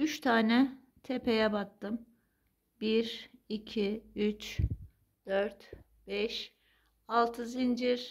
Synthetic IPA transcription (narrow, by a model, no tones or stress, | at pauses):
yt͡ʃt̪ʰaːnɛ | t̪ʰepʰe̞jɛbat̪ʰːɯm | biɾicʰiyt͡ʃ | d̪̥øɾt̪ | b̥ɛʃ | alˠt̪ʰɯzind͡ʒiɾ